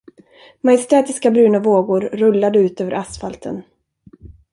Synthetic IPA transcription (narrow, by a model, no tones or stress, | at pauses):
majɪst̪ɛːt̪ɪskabɾʉ̟ːnavoːɡʊɾːɵlːad̪əʉ̟ːt̪øːvə̰ɾasfalt̪ʰə̰n